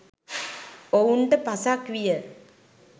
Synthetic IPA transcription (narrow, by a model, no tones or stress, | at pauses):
ouɳʈəpasakʋijə